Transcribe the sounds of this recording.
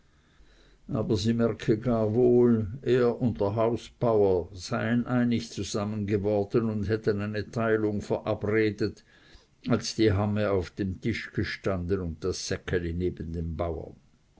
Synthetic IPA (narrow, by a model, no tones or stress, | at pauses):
ʔaːbɐziːmɛʁkʰəɡaːɐvoːlʔeːɐʔʊnt̚d̥əɦaʊsb̥aʊɐz̥aɪənʔaɪnɪçt͡suzamənɡəvɔʁd̥ənʊndhɦɛtənaɪnətʰaɪlʊŋfɛɐʔapʁeːdət | alsd̥iːɦaməaʊfd̥emtʰɪʃɡ̥əʃtandənʊnt̚d̥asːɛkʰəlineːbən̩deːmbaʊɐ̰n